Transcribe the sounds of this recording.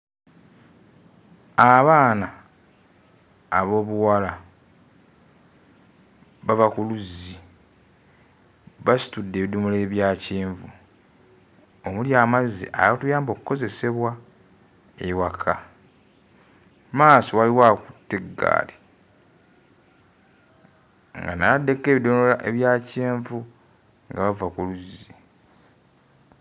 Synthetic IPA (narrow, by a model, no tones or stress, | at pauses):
aβaːna | βo̞ːβuwala | βavakuluzi | βasi̥tudːe̞ːβidumule̞ːβjaːciːɱvu | omuljaːmazḭʔa̰atujaːmbo̞kuko̞ze̞se̞βwa | eiwakʰa | maːsowaliwaku̥tːeɡːa̰ːle | ŋɡanaade̞ke̞ːβidomolaʔe̞βjaːceːɱvu | ŋɡaβavakuluzi